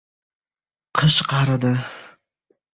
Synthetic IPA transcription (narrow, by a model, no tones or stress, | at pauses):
qʰɨʃqʰɑɾad̪ɪ